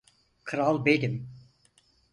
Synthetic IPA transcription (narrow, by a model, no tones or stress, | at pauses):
kʰɯɾalˠbed̪im